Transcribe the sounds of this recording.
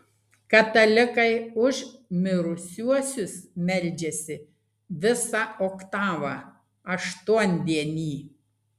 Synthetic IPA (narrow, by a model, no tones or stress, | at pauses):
kɐt̪ɐlʲɪkɐɪʊʒmʲɪɾʊsʲuɔsʲʊsmʲɛlʲˑd͡ʒʲɛsʲɪ | ʋʲɪsɑoːkt̪ɑːʋɑ | ɐʃt̪uɔnʲd̪ʲiɛnʲiː